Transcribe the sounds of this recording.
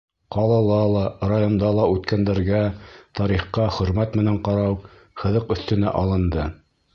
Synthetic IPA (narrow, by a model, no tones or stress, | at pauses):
qɑlˠɑlˠɑlˠɑrajond̪ɑlˠɑʉt̪kænd̪æɾɡæt̪ɑɾiχqɑχɵ̆ɾmæt̪mɘ̆næɴqɑɾɑw | χɤ̆ðɤqɵ̆θt̪ɘ̆næ̰ʔɑlˠɤ̆nd̪ɤ